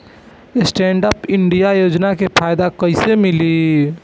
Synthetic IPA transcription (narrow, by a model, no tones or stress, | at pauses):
sʈẽːɳɖəpɪ̃ɳɖijajoːd͡ʒnakepʰaːjd̪akɐisemɪli